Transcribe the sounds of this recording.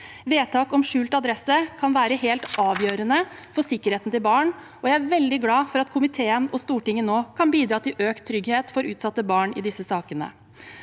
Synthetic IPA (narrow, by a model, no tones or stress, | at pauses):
ʋeːt̪ʰɑːkɔmʂʉːlt̪ɑd̪ɾɛsəkʰɑnʋæːɾəɦeːlt̪ɑːʋjøːɾənəfɔʂɪkːəɾheːt̪n̩t̪ɪlbɑːɳ | ɔjæɪæɾʋɛld̪ɪɡlɑːfɔɾɑt̪kʰʊmɪt̪ʰeːənɔst̪uːʈɪŋːənoːkʰɑnbiːd̪ɾɑːt̪ɪlʔøːkt̪ʰːɾʏɡheːt̪fɔɾʉːt̪sɑt̪ːəbɑːɳɪ̰d̪ɪsəsɑːkənə̰